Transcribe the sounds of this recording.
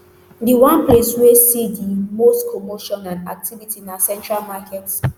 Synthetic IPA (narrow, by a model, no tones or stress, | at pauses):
diwãnpleswesidimostkʰomoʃɔ̃nãnak̚tʰivitinasɛ̃ntɹalmakɛts